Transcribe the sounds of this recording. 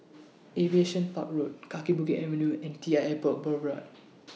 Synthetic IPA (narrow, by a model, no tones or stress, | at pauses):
ʔevieʃə̃npa̰k̚ɹot̚kakibukɛʔɛvənjuɛ̃ntiaɛpək̚bəbɹa̰t̚